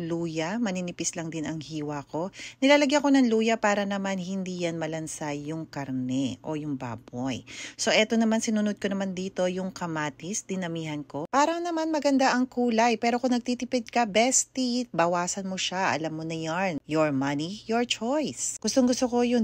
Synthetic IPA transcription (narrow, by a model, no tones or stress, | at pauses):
luːjɐmɐninɪpɪslɐŋd̪ɪnɐŋhiːwɐko̞nɪlaːlɐɡjɐko̞nɐŋluːjɐpaːɾɐnɐmanhɪnd̪iːjanmɐlɐnsajːʊŋkɐɾnɛʔo̞jʊŋba̰ːbojso̞ʔɛt̪o̞nɐmansɪnunod̪̚konɐmand̪iːt̪o̞jʊŋkɐmaːt̪ɪsd̪ɪnɐmiːhɐnko̞paːɾɐŋnɐmanmɐɡɐnd̪aʔɐŋkuːlɐjpɛːɾo̞kʊŋnɐɡ̚t̪it̪ɪpɛd̪̚kɐbɛst̪ibɐwaːsɐnmoʃaʔɐ̰lamːonɐjanjoɹmɐnijoɹt͡ʃojsɡ̥ʊst̪oŋɡʊst̪okojon